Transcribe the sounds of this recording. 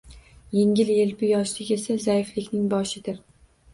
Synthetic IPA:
jeŋʲɪlelbʊjɒʃlɪkʲe̞sazajɪflɪkʲnɪŋbɒʃɪd̪ɪɾ

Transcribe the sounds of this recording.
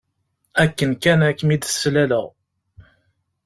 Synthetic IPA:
ækːənkænækːmid̪əsːlæləʁ

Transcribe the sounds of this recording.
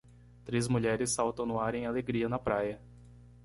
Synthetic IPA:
t̪ɾezmuʎɛɾɪsːawt̪ɐ̃w̃nuaɾẽj̃aleɡɾiɐnɐpɾajɐ

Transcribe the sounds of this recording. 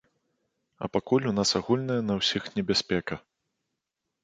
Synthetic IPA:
ɐ̰pakulʲun̪asaɣulʲnɐjɐnɐwsʲixnʲɛbʲasʲpʲɛkɐ

